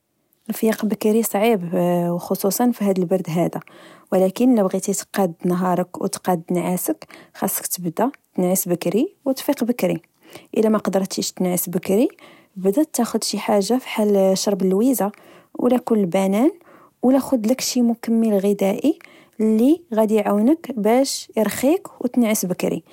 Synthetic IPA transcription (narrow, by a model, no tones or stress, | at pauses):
əlfjɑqbəkɾisˤʕibwxosˤusˤɑnfiɦæd̪əlbɑɾˤd̪ɦæd̪æwlækənləbɣit̪it̪qɑd̪nɦɑɾˤəkw̰t̪qɑd̪nʕasəkxɑsˤːə̥kt̪əbd̪æt̪nʕəsbəkɾiwt̪ˤfiqbəkɾi | ʔəlæmæqɑd̪əɾˤt̪iʃt̪nʕəsbəkɾi | bd̪æt̪ːæxʊd̪ʃiħaʒːafi̥ħalʃɑɾˤbəlwiza | wlækunlbænæn | wlæxʊd̪ləkʃimʊkəmːilɣəd̪æʔi | lːiɣæd̪iʕawnəkbæʃjəɾˤxikwt̪nʕəsbəkɾḭ